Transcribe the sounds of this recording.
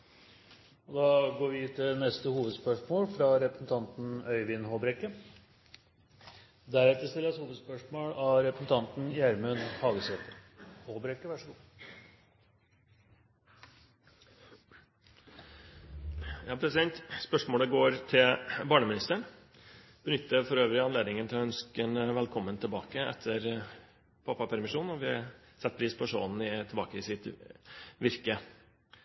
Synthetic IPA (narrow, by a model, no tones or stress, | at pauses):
ɔd̪ɑːɡoːɾʋɪt̪ʰɪlnɛst̪əhuːʋəd̪spœʂmoːlfɾɑɾɛpɾəsn̩t̪ʰɑnt̪n̩œʏʋɪnhoːbɾɛkːə | d̪æɾɛt̪ːəst̪ɪlːshuːʋəd̪spœʂmoːlɑɾɛpɾəsn̩t̪ʰɑnt̪njæɾmʉnhɑːɡəsɛːt̪əhoːbɾɛkːəʋæʂəɡuː | jæɑpʰɾɛsɪd̪ɛnt̪spœʂmoːləɡoːɾt̪ʰɪlbɑːɳəmɪnɪst̪əɳ | b̥ənʏt̪ːəfɔɾøːʋəɾɪɑnleːd̪nɪŋənt̪ʰɪlɔœnskɛnʋɛlkʰɔmːənt̪ʰɪlbɑːkəɛ̰t̪ʰːəɾ | pʰɑpːɑpʰæɾmɪʂuːnɔʋɪɑ | sɛt̪̚ːpʰɾiːspʰɔʂo̰ːnn̩ɪt̪ʰɪlbɑ̰ːkəɪsɪt̪ | ʋɪɾkə